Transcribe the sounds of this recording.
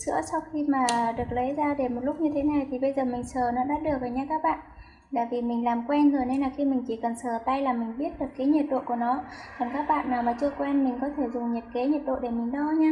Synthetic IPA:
sɨ̰˧˥əsa˧wxi˧maː˨˩ɗɨ˨˩ək̚lə˨˦jzaː˧ɗe˧˩mo˨˩lʊ˦˥k͡p̚ɲɨ˧t̪ʰe˨˦na˨˩jt̪ʰi˨˩ɓə˧jzəː˨˩mï˨˩ŋ̟səː˨˩nɔ˨˦ɗaː˧˥ɗɨ˨˩ək̚vəː˨˩jɲaː˧kaː˦˥k̚ɓa̰ː˧˨n | ɗa̰ː˧˩vi˨˩mï˨˩ŋ̟laː˨˩mkwɛ˧nhəː˨˩ne˧nlaː˨˩xi˧mï˨˩ŋ̟t͡ɕi˧˩kə˨˩nsəː˨˩t̪a˧jlaː˨˩mï˨˩ŋ̟ɓi˦˥ət̚ɗɨ˨˩əkːaː˨˦jɲɛ˨˩t̚ɗo̰˧˨ku˧˩ənɔ˨˦kɔ˨˩nkaː˦˥k̚ɓa̰ː˧˨nːaː˨˩wmaː˨˩t͡ɕɨ˧əkwɛ˧nmï˨˩ŋ̟kɔ˨˦t̪ʰe˧˩zʊ˨˩ŋ͡mɲi˨˩p̚ke˨˦ɲe˨˩t̚ɗo̰˧˨ɗe˧˩mï˨˩ŋ̟ɗɔ˧ɲaː˧

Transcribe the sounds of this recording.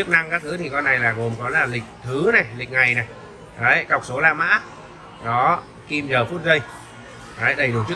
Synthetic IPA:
ɨ˦˥ək̚na˧ŋkaː˦k̚t̪ʰɨ˨˦t̪ʰi˨˩kɔ˧nːa˨˩jlaː˨˩ɣo˨˩mkɔ˨˦laː˨˩lï˨˩k̟̚t̪ʰɨ˨˦na˨˩jlï˨˩k̟̚ŋa˨˩jna˨˩j | ʔə˨˦jkə˨˩wk͡p̚so˨˦laː˧ma̰ː˧˥ | ɗɔ˨˦ | ki˧mzəː˨˩fu˦˥t̚zə˧j | ʔəː˨˦jɗə˨˧˩jɗu˨˩t͡ɕɨ˦˥ə

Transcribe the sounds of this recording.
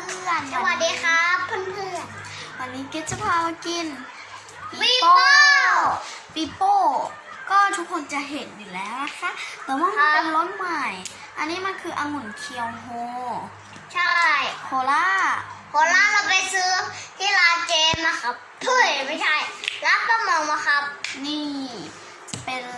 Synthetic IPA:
mʰɯ˧a˧˩na˧waː˧˨deː˧˨kʰaː˧˥pʰːɯ˧˥˨npʰɯ˧˩˨nwa˧˩nːiː˦˧˥ke˧˥t̪̚sa˧˩pʰaː˧wa˧ki˧˥˨n | pi˧i˦˧˥ | piː˧˩poː˧˩ | kɔː˧˥˩t̪ʰu˦˥k̚ʰːo˧˨nt͡ɕa˧˨ɦe˨˩t̪̚ji˨˩lɛː˨˦˥wna˧˥kʰa˧˥˨t̪ɛː˧˩˦waː˧˥˨maː˧˥˨ka˧˨nlo˧˥t̪̚maː˧˩j | ʔa˧nːiː˧˥˨ma˧˥˨nkʰɯː˧ʔa˧ŋu˧˩nkʰi˧əwɦoː˧˦ | t͡ɕʰa˧˥˨jkʰoː˨˩˦laː˧˥˨kʰoː˧˦laː˧˥˨ka˧˩pa˧˨jsɯː˧˦˥t̪ʰi˧˥˨laː˧˥keː˧nla˧˩ka˧p̚ | pʰɯ˧˥˩jma˧˥˨t͡ɕʰa˧˩jla˧˦˥p̚ka˧˥mɔː˧˦ŋmaː˧˦ka˧˥p̚niː˧˥˩ | pe˨˧n

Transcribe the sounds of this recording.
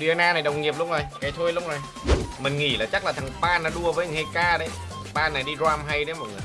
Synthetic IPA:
ɗi˨ə˧naː˧na˨˩jɗə˨˩wŋ͡mŋi˨˩əp̚lʊ̰˧˥wŋ͡mzo˨˩jkaː˨˩jt̪ʰo˧jlʊ˧˥wŋ͡mzo˨˩j | mï˨˩ŋ̟ŋḭ˧˩laː˨˩t͡ɕa˦˥k̚laː˨˩t̪ʰa˨˩ŋɓaː˧naː˨˧˥ɗu˧əvəː˨˦ɲ˨˩ŋha˧jkaː˧ɗə˨˦j | ɓaː˧naː˨˩jɗi˧zaː˧mɦa˧jɗə˨˦mɔ˨˩t̚ŋɨ˨˩ə˨

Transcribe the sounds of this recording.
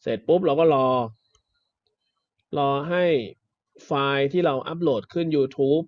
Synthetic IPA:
sḛ˨˩t̪̚pu˦˥p̚ɾa˧wkɔː˥˩lɔː˧ | lɔː˧ɦa˥˩j | faː˧jt̪ʰiː˥˩ɾa˧wʔa̰˦˥p̬̚loː˨˩t̪̚kʰɯ˥˩njuː˧t̪ʰuː˦˥p̚

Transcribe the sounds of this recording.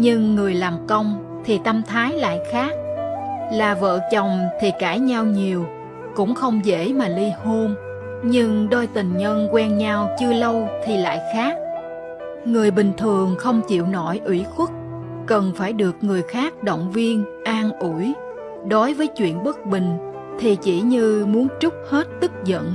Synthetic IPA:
ɲɨ˧ŋːɨ˨˩əjlaː˨˩mkə˧wŋ͡m | t̪ʰi˨˩t̪ə˧mt̪ʰaː˨˦jla̰ː˧˨jxaː˦˥k̚laː˨˩və̰ː˧˨t͡ɕə˨˩wŋ͡mt̪ʰi˨˩kaː˧˩jɲa˧wɲi˨˩əw | kʊ̰˧˥ŋ͡mxə˧wŋ͡mzḛ˧˥maː˨˩li˧ho˧m | ɲɨ˧ŋɗo˧jt̪ï˨˩ŋ̟ɲə˧nkwɛ˧nɲa˧wt͡ɕɨ˧ələ˧wt̪ʰi˨˩la̰ː˧˨jxaː˦˥k̚ | ŋɨ˨˩əjɓï˨˩ŋ̟t̪ʰɨ˨˩əŋxə˧wŋ͡mt͡ɕḭ˧˨əwnɔ˧˩jʔwḭ˧˩˥xwʊ˦˥k̚ | kə˨˩nfaː˧˩jɗɨ˨˩ək̚ŋɨ˨˩əjxaː˦˥k̚ɗo̰˧˨wŋ͡mvi˧ənʔaː˧nʔu˧˩j | ɗo˨˦jvəː˨˦jt͡ɕwḭ˧˨ənɓə˦˥k̚ɓï˨˩ŋ̟ | t̪ʰi˨˩t͡ɕḭ˧˩ɲɨ˧mu˨˦ənt͡ɕʊ˦˥k͡p̚he˦˥t̚t̪ɨ˦˥k̚zə̰˧˨n

